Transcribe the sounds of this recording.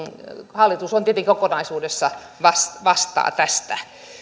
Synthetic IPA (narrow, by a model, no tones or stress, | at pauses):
hɑlːit̪usont̪iet̪eŋkikokonɑisuːdesːɑ | ʋɑsʋɑst̪ɑ̰ːt̪æst̪æ